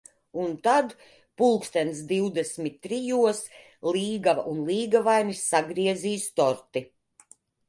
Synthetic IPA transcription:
unt̪ad̪ | pulˠkst̪ɛns̬d̪iwd̪esmit̪ːɾijuɔs | lˠiːɡavunlˠiːɡavajnisːaɡɾiɛziːst̪ɔɾt̪i

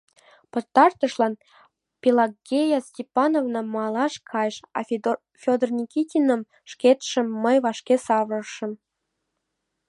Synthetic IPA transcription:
pɤ̆rt̪ɑrt̪ɤ̆ʃlɑn | pʲilɑɡʲejɑsʲtʲepɑnovnɑmɑlˠɑʃkʰɑjʃɑ̰ | fʲod̪ərnʲikʲitʲinə̆m | ʃket̪ʃə̆mːəjβɑʃkʲesɑβrɤ̆ʃə̆m

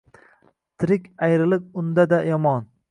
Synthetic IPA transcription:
t̪ʰɪɾɪkʲajɾɪlɪk̚ʊnd̪ad̪ajɒmɒn

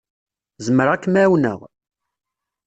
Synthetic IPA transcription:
zəməɾˤakːmæwnə̰ʁ

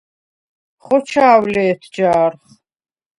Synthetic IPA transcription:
χɔt͡ʃʰaːwlɛːt̪ʰd͡ʒaːɾχ

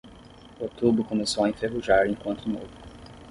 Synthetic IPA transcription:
ot̪ubɾʊkõmesowɐẽnt̪ɾevuʒaɾẽkwɐ̃nt̪ʊnovʊ

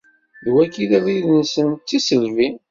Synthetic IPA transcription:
wækːiðæðiðənsənt͡s̪ːisəɾvi

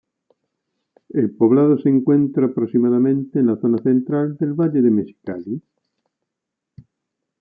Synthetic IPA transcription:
elpoβ̞lað̞oseŋkwe̞nt̪ɾaːpɾosimaðamẽnt̪eːnlaθonaθent̪ɾald̪elβaʎeðemesi̥kali

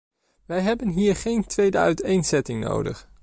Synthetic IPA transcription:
ʋɛjɦɛbənɦiːɹχejntʋejdəœɥtejnzɛtɪŋno̰wdə̰χ

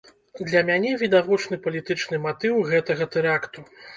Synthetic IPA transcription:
d̪lʲɐmʲanʲɛvʲid̪avɔt͡ʂnɨpɐlʲit̪ɨt͡ʂnɨmat̪ɨwɣɛt̪ɐɣɐt̪ɛɾakt̪u

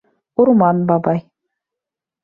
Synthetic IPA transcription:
ʊɾmɑnbɑbɑj

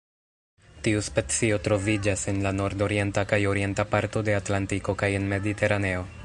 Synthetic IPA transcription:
tiuspet͡sio̞tɾo̞vid͡ʒase̞nlano̞ɾdo̞ɾie̞ntakajo̞ɾie̞ntapaɾto̞de̞atlantiko̞kaje̞nme̞dite̞ɾane̞o̞

